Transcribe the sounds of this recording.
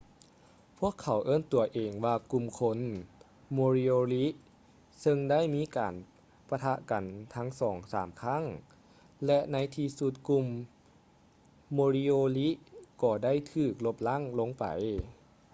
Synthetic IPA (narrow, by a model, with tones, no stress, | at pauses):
pʰu˥˩əkʰːa˨˦wʔɤː˥˨nt̪u˨˩ɐʔeː˨˩ŋwaː˧ku˧˩mkʰo˧˥n | moː˧ɾi˧oː˧li˦˥ʔ | sɤ˧ŋda˥˨jmiː˧˥˨kaː˨n | pa˧t̪ʰa˧ʔka˨˩nt̪ʰa˧˥ŋsɔː˩˦ŋsa̰ː˩˦mkʰa˥˩˨ŋ | lɛ˧ʔna˧˥jt̪ʰiː˧su˧t̪̚ku˧m | oː˧ɾi˧oː˧li˦˥ʔkɔː˧˩da˥˩˨jt̪ʰɯː˧˩k̚lo˧˥p̚la˥˨ŋlo˧˥ŋpa̰˨˩j